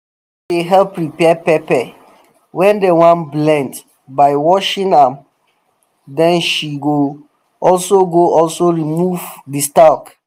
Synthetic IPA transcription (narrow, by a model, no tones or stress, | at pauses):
deɦɛlpɹipɛpɛpɛ | wɛ̃ndewãnblɛ̃nd | baɪwɔʃĩnãm | dɛ̃nʃiɡo | ɔlsoɡoʔɔlsoɹimuvdistalk